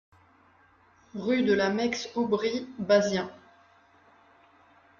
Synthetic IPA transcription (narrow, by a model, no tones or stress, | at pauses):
ʁyd̪əlamɛksubʁibazjɛ̃